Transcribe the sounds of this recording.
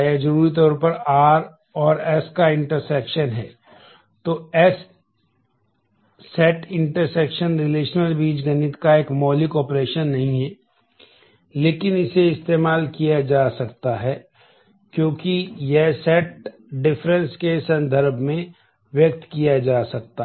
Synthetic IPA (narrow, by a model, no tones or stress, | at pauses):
ed͡ʒɐɾuːɾit̪̬ɔːɾpɐɾaːɾ | ɔːɾɛskaɪ̃ɳʈəɾsɛːkʃənɦɛː | t̪oɛs | ɛʈɪ̃ɳʈəɾsɛːkʃənɾɪleːʃnəlbiːt͡ʃɡɐnɪt̪kaeːkmɔːlɪkɔːpɾeːʃənːɐɦĩɦɛ | leːkɪnɪseɪst̪eːmaːlkijad͡ʒaːsɐkt̪aɦɛː | kjõːkijɛɦsɛːʈ̚ | ɖɪfɾə̃nskesɐ̃nd̪ʱəɾbʱmẽ | ʋjək̚t̪kijad͡ʒaːsɐk̚t̪a